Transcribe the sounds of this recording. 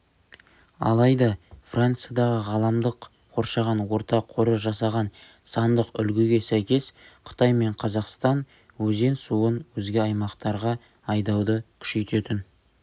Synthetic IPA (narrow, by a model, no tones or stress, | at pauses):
ɑ̰lˠɑjd̪ɑfrʔant̪sɨjɑd̪ɑʁəʁɑlˠɑmd̪əq | qʰːo̞ɾʃɑʁɑnwo̞ɾt̪ɑqʰːoɾəʒɑsɑʁɑn | sɑnd̪əqʏ̰lɡʲɪɡʲe̞sæjkʲe̞sqʰə̥t̪ɑjme̞ɴqʰɑzɑqst̪ɑn | wɵze̞nsuənwɵzɡʲɪɑjmɑqt̪ɑɾʁɑ | ɑjd̪ɑwd̪əkʲʰʏ̥ʃe̞jt̪e̞t̪ɪn